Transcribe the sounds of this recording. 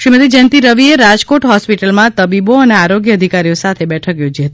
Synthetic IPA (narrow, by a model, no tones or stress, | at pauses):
ʃɾimət̪id͡ʒənt̪iɾəʋieɾad͡ʒkoʈɦɔspiʈəlmãt̪əbiboəneaɾoɡjəːd̪ʱikaɾijosat̪ʰebɛʈʰəkjod͡ʒiɦət̪i̥